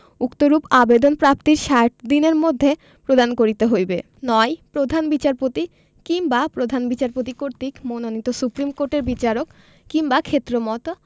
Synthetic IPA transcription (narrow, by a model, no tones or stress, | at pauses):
ukt̪oɾupabed̪onpɾapt̪iɾʃaʈ̚d̪ineɾmod̪ʱːe | pɾod̪ankoɾit̪eɦojbe | nɔjpɾod̪ʱanbit͡ɕaɾpot̪i | kiŋbapɾod̪ʱanbit͡ɕaɾpot̪̬ikoɾt̪ikmononit̪osupɾimkoɾʈeɾbit͡ɕaɾok | kːiŋbakʰet̪ːɾomɔt̪o